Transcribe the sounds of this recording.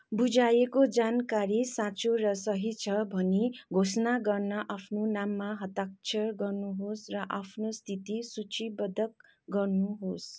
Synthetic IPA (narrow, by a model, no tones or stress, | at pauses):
bud͡zajekod͡zankaɾisãt͡soɾʌsʌɦit͡sʰʌbʱʌneɡʱosnaɡʌrnʌʔapʰnonamːaɦʌt̪ak̚t͡sʰʌrɡʌrnuɦosrʌʔapʰnost̪ʰit̪isut͡sʰibʌd̪ʱʌk̚ | ɡʌrnuɦos